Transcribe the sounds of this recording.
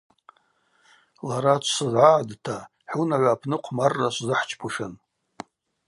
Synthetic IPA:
laɾat͡ʃʷʰsɨzʕaʕdtʰa | ħunaʕʷapʰnɨqʷʰmarːaʃʷzɨħt͡ʃʰpʰuʂɨn

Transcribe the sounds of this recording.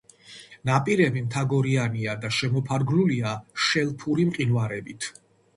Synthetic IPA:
napʼiɾɛbimt̪ʰaɡɔɾianiad̪aʃɛmɔpʰaɾɡluliaʃɛlˠpʰuɾimqʼinvaɾɛbit̪ʰ

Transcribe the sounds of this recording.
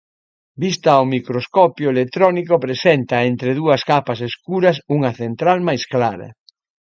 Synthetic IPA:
bist̪ɐːwmikɾoskɔpjoelekt̪ɾɔnikopɾesent̪ɐent̪ɾeðuɐskapɐseskuɾɐsuŋɐθent̪ɾalmajsklaɾɐ̰

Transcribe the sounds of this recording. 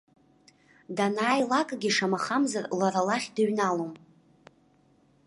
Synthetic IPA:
danaːjlakʼɡʲiʂamaχamzarlaɾalaχʲdɨɥnalom

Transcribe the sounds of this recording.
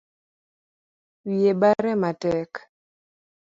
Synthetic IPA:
wiebaɾɛmatɛk

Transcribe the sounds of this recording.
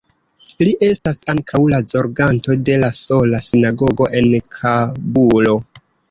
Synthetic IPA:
liʔe̞stasaŋkʰawlazo̞ɾɡanto̞de̞laso̞lasinaɡo̞ɡo̞ʔe̞nkʰabulo̞

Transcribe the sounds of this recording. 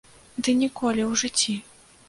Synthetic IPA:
d̪ɨnʲikɔlʲiwʐɨt͡sʲːi

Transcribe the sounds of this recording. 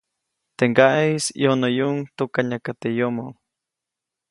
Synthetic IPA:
t̪eŋɡaʔeisjonojuʔŋt̪ukaɲakat̪ejomo

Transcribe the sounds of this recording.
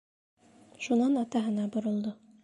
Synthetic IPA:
ʃunɑnɑt̪ɑɦɤ̆nɑbŏɾŏlˠd̪o

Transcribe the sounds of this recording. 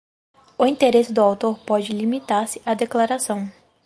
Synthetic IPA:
ʊĩnt̪eɾesɪd̪ʊawt̪oɾpɔd͡ʒɪlimit̪aɾsɪ̥ʔad̪eklaɾasɐ̃w̃

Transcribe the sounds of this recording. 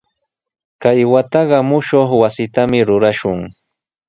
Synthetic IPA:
kajwat̪ɑɢɑmʊʃoχwasɪt̪amɪɾʊɾaʃʊŋ

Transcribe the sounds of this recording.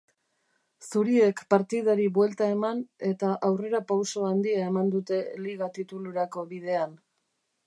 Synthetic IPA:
suɾie̞kpaɾt̪ið̞aɾiβwe̞lt̪ae̞mane̞t̪aʔawre̞ɾapawso̞and̪iae̞mand̪ut̪e̞liɣat̪it̪uluɾako̞βið̞e̞an

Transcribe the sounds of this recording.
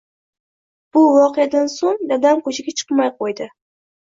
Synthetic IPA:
b̥ʊvɒqejad̪ansoŋd̪ad̪amkʰɵt͡ʃʰɪɡʲat͡ʃʰɨ̥qmajqʰojd̪ɪ

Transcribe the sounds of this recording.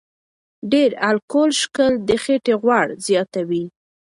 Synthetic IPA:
ɖeɾalkolʃkəld̪əxeʈeɣwaɽzjɑt̪awi

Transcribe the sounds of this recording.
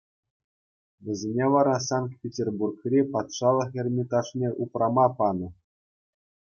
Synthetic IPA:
ʋʲɘ̆zʲenʲeʋɑɾɑsɑnk̪̚pʲetʲerburkrʲepɑt̪ʂɑlˠɤ̆χɘ̆rʲmʲit̪ɑʂnʲeʔuprɑmɑpɑnɤ̆

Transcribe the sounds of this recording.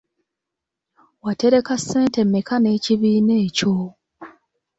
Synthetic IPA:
wate̞ɾe̞kasːe̞ːnte̞mːikane̞ːciβiːne̞ːco̞

